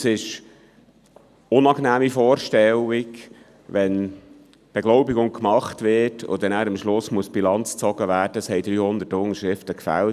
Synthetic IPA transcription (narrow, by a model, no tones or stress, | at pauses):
sɪʃ | ʊnɑknæːmifɔːɾʃtɛlik | ʋɛn | b̥ɛɡ̥lɔʊbiɡʊŋkmɑχtʋɪtʰʊ̰d̪ɛnæːɾəmʃlʊsmuəsb̥ilɑnt͡st͡sɔɡ̥əʋæːd̥əəshɛjd̪ɾyːhʊnd̪ətʊŋəʃɾɪftəkfæ̰lt